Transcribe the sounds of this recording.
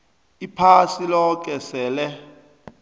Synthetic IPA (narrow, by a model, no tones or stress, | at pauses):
ipʰasilɔk̬ʼɛsɛːlɛ